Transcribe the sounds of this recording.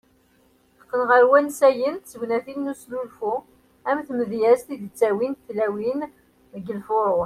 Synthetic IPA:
qənʁəɾwænsæjənt̪t͡sːəwnæθilnuslulfu | æmθməðjæzt̪id̪t͡sːæwinθlæwin | ðɡəlfʊɾˤo

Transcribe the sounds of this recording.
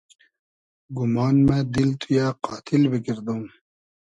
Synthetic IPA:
ɡumɑːnmẽd̪ilt̪ʰujaːqɑːt̪ʰilbikiɾd̪ũː

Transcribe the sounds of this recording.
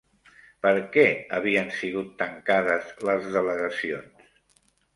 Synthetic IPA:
pəɾkɛəβiənsiɣut̪ːəŋkaðəzləzðələɣəsions

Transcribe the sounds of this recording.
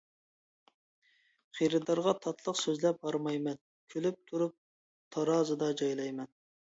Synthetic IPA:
χiɾɨd̪ɑɾʁɑt̪ʰɑt̪ʰlˠəqsøzlɛp̚bɑɾmɑjmɛn | kʲʰølyp̚t̪ʰuɾup̚ | t̪ʰɑɾɑːzɨd̪ɑd͡ʒɑjlˠɑjmɛn

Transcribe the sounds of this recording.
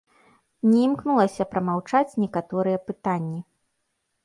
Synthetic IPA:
nʲɛimknulˠɐsʲɐpɾɐmawt͡ʂat͡sʲnʲɛkat̪ɔɾɨjɛpɨt̪anʲːi

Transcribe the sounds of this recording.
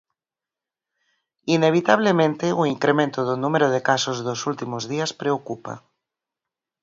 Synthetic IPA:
ineβ̞it̪aβ̞lemẽnt̪euiŋkɾemẽnt̪oðonumeɾoðekasozðosult̪imozðiaspɾeokupa̰

